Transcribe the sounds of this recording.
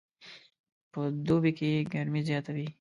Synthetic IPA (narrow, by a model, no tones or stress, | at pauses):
pəd̪obikeɡɐɾmizjɑt̪awi